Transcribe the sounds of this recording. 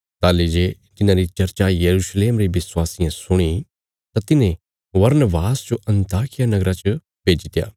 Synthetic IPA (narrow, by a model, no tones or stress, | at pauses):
t̪aːled͡ʒeː | d͡ʒɪnãːɾit͡ʃɐɾt͡ʃajɐɾuːʃleːmɾiʋɪswaːsɪjãsʊɽ̃i | t̪at̪ɪnẽ | ʋɐɾnəʋaːst͡ʃoʔɐ̃nt̪aːkʰɪjanɐɡɾat͡ʃə | b̥ʱeːd͡ʒɪt̪ja̰ː